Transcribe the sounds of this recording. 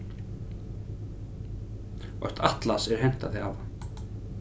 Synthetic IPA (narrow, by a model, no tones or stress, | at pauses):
ɔ̰jht̪ʰaht̪lasɛɾ̥hɛm̥t̪aðɪava